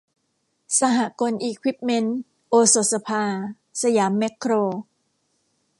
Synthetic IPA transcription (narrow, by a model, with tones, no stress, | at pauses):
sa˧ɦa˨˩ko˧nʔiː˧kʰwi˦˥p̚me˦˧˥n | ʔoː˧so˨˩t̪̚sa˧pʰaː˧ | sa˧jaː˩˦mːe˦˥kʰːɾoː˧